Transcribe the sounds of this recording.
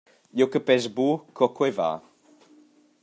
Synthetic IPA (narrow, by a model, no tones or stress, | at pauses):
jokəpɛzbukʰɔkwɛva̰ː